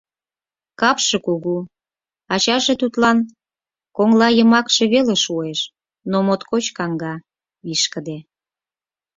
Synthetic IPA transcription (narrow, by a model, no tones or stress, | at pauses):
kɑpʃĕkuɣu | ɑt͡ɕɑʒe̽t̪ut̪lɑn | koŋlɑjə̆mɑkʃeβeleʃueʃ | nomot̪kot͡ɕkɑŋɡɑ | βiʃkə̆d̪e